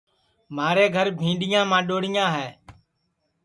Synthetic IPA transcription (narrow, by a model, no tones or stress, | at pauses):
maːɾeːɡʱəɾbʱĩːɖɪjãːmãːɗoːɽɪjãːɦɛː